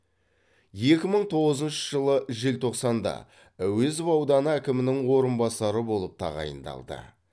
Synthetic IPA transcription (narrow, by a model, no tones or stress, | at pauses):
je̞kʲɪməɴt̪ʰo̞ʁəzənʃəʒəlˠəʒɪlt̪ʰo̞qsɑnd̪ɑ̰ | æwɵzɪvɑwd̪ɑnəækʲɪmɪnɪŋwo̞ɾənbɑsɑɾəbo̞lˠəp̚t̪ʰɑ̰ʁɑ̰jə̰nd̪ɑ̰lˠd̪ə̰